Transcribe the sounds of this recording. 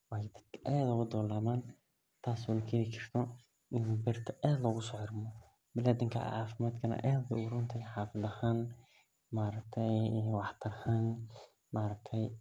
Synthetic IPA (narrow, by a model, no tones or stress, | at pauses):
wɑːd̪ɐ̥d̪kʰɐʔaːd̪ʊɣʊd̪ɔːlaːmaːn | t̪ʰaːswɐlkʰeðikʰɪr̥t̪ʰɔ | ʔɪnːbɛrt̪ʰɐʔaːd̪lɐɣʊsɔːʕɪrmɔ | bɪlaːd̪ɪŋkʰɐ̰ʕa̰ːfɪmaːd̪kʰɐnɐ̰ʔaːd̪ɡɐʊɾʊnt̪ʰɛjħɑːfɪðɐhaːn | maːɾɐk̚t̪ʰɛjwɑħt̪ʰɐɾɐhaːn | maːɾɐk̚t̪ʰɛj